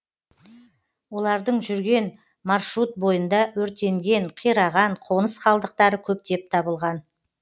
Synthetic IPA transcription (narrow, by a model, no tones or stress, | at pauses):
wo̞lˠɑɾd̪əɴʒʏɾɡʲe̞n | mɑrʃɾut̪̚bo̞jənd̪ɑwɵɾt̪e̞ŋɡʲe̞ɴqʰijɾɑʁɑɴqʰo̞nəsqɑlˠd̪əq̚t̪ɑɾəkʲʰɵp̚t̪e̞p̚t̪ʰɑbəlˠʁɑn